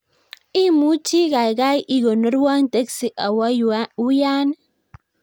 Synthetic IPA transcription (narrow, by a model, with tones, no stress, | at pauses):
i˦mu˦t͡ʃi˦ɣa˨jɣa˦jʔi˦ɣo˨no˦ɾwa˦ŋt̪e˦ksi˨ʔa˨wa˦u˦ja˦n